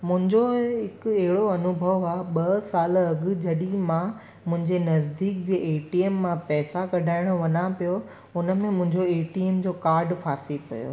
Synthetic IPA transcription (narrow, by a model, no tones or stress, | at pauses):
mʊ̃ɦɪ̃ɲd͡ʑoɦɪkɛɦɪɽoɐnʊbʱəʋaːɓɐsaːlɐɡʊ̆d͡ʑɐɗimã | mʊ̃ɦɪ̃ɲd͡ʑenɐzd̪iːk̚d͡ʑeːʔeːʈiːemːãpɛːsakɐɖʱaːɪɽ̃ʋɐnapijo | ʊnəmẽmʊ̃ɦɪ̃ɲd͡ʑoeːʈiemd͡ʑoːkaːɾɖfaːsipɐ̰jo̰ː